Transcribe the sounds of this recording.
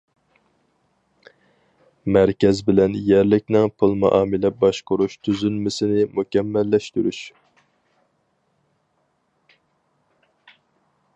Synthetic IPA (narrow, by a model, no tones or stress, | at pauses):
mæɾkʲɛzbɪlɛnjɛɾlɪk̚ʲnɪŋpʰolˠmɑ̰ʔɑːmɪlɛbɑʃqʊɾuʃt̪ʰyzynmɪsɪnɪmukʲɛmːɛlːɛʃt̪yɾyʃ